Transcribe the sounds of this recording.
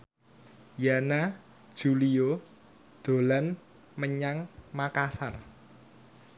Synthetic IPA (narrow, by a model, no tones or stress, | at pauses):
janḁ | ʒ̥ulio | d̪̥o̤lan | məɲaŋmakasar